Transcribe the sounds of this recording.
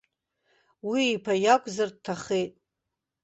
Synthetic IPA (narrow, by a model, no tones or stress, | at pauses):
wiːpʰajakʷʼzard̚tʰaχejtʼ